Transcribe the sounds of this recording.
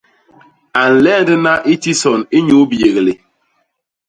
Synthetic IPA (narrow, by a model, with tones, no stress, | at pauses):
a˨n̩˨lɛ˦˨ndɛ˦na˦ʔi˦ti˦sɔ˨ni˦ɲu˨˦bi˨e˨ɣe˨le˨